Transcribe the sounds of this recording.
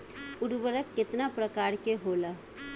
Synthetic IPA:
ʊɾwəɾəkːɪt̪napɾəkaːɾkeɦoːlaː

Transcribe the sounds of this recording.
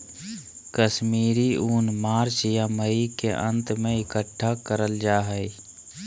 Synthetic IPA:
kəʃmiːɾiuːnmaːɾt͡ʃjaməikeʔə̃nt̪mẽɪkəʈʰːakəɾəld͡ʒaːɦɛi

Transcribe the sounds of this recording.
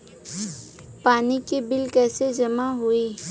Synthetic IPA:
paːnikibɪlkɛːsed͡ʒɐmaɦuiː

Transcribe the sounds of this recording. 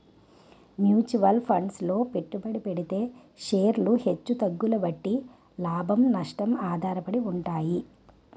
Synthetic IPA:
mjuːt͡ʃuʋɐlpʰɐɳɖslo̞ːpe̞ʈːubɐɽipeɽit̪e̞ː | ʂeːɾluhe̞t͡ʃːut̪ɐɡːulɐʋɐʈːi | laːbʱɐmnɐʂʈɐmaːd̪ʱaːɾɐpɐɽiuɳʈaːji

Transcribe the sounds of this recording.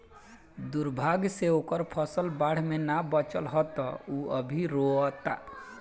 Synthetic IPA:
d̪uɾbʱaɡseokəɾpʰəsəlbaɽ̤menabət͡ʃəlɦɔt̪ɔuəbʱiɾoət̪a̰

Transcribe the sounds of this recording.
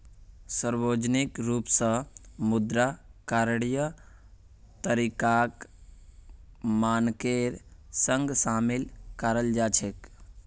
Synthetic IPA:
səɾboːd͡ʒnikɾuːpsə̃mud̪ɾakaɾɽjə | t̪əɾikak | maːnkeɾsəŋɡsamilkəɾəld͡ʒat͡ʃʰek

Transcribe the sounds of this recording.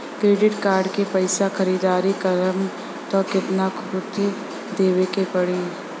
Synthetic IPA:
kɾeːɖɪʈkaːɾɖkepɐɪsaxəɾiːd̪aːɾikɐɾəm | t̪ɔːkɪt̪nakʰʊt̪i | d̪eːʋekepɐɽeː

